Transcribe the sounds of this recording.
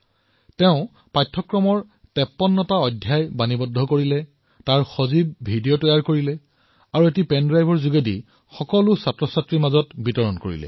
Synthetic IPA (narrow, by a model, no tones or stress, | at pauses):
tɛʊ̃ | pajtʰːɔkɹɔmɔɹ | tɛpːɔnːɔtaɔdʱjajbanibɔdʱɔkoɹilɛ | taɹxozib̚bʱidijɔtɔjaɹkoɹilɛ | aɹuetipɛndɹajbʱɔɹzuɡedḭ | xɔkɔlʊsatɹɔsatɹimazɔtbitɔɹɔnkoɹḭlɛ̰